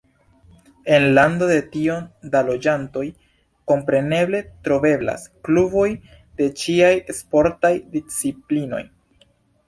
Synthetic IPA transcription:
e̞nlando̞de̞tio̞ndalo̞d͡ʒanto̞j | ko̞mpɾe̞ne̞ble̞tɾo̞be̞bla̰sklubo̞j | de̞t͡ʃiajespo̞ɾtajdit͡siplino̞̰j

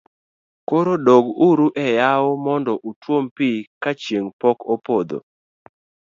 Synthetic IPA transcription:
koɾodɔɡuɾuʔɛjaomɔndɔʔutwompikat͡ʃjeŋpɔkopod̪o̰

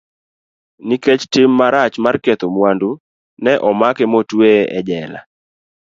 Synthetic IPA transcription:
niket͡ʃtɪmːaɾat͡ʃmarket̪omwandu | nɛʔɔmakemotweɛd͡ʒɛla̰

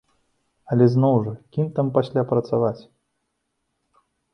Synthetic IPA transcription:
ɐlʲɛznɔwʐɐkʲimt̪ampasʲlʲapɾɐt̪savat͡sʲ

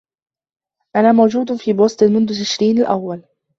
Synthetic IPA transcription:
ʔanaːmawd͡ʒuːd̪fiːboːst̪ˤnmʊnðʊt̪ɪʃɾiːnalʔawːal

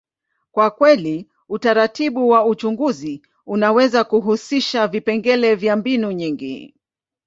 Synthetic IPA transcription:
kwakwɛli | utaɾatiɓuwaut͡ʃuŋɡuzi | unawɛzakuɦusiʃavipɛŋɡɛlɛvjambinuɲiŋɡḭ

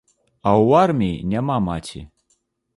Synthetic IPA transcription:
awarmʲiinʲamamat͡sʲḭ

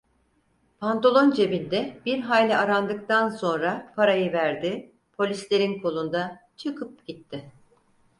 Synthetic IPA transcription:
pʰant̪olˠo̞nd͡ʒe̞bind̪ɛb̥iɾɦajlʲɛaɾand̪ɯkt̪anso̞nɾapʰaɾajɯvæɾd̪ɪ | pʰo̞lʲislʲe̞ɾinkʰolˠund̪a | t͡ʃʰɯkʰɯp̚ɟit̪ʰːɪ

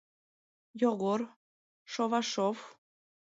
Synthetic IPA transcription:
joɣor | ʃoβɑʃov

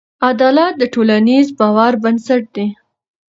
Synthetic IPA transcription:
ad̪ɑlat̪̚d̪əʈolanizbɑwaɾbansaʈ̚d̪e

